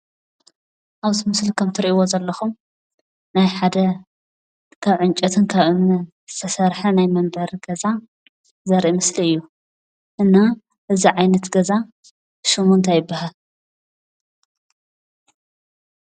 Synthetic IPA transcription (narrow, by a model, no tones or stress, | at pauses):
ʔaβt̪ʰɨmɨslikʰɐmt̪ʰɨɾiʔiwozɐlːɐxum | najħad̪ɐ | kʰaβʕɨnt͡ʃʼɐt̪ʰɨnkʰaβɨn | z̥ɨt̪ʰɐsɐɾħɐnajmɐmbɐɾɡɐza | zɐɾʔimɨsliɨjːu | ʔɨnːa | ʔɨziʕajnɐt̪ɡɐza | ʃɨmunt̪ʰajɪbːaɦal